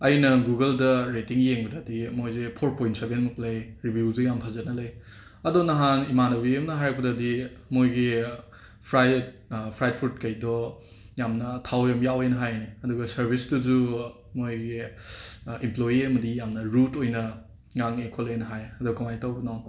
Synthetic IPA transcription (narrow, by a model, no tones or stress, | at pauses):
ɐjnɐɡuɡɐldɐɾetiŋjeŋbɐdadimojzepʰoɾpojntsɐɾbenmuplɐjɾibjuzujampʰazɐnɐlɐj | ɐdonɐɦanimanɐbiɐmnɐɦajɾɐk̚pɐdadimojɡi | pʰɾajd | pʰɾajd̚pʰuɾtkɐjdɔ | jamnɐtʰawjɐmjawejnɐɦajniɐduɡɐsɐɾbʱisduzu | mojɡi | implojiɐmɐdijamnɐɾutojnɐ | ŋaŋekʰolojnɐɦajɐdukɐmajtawbɐnaw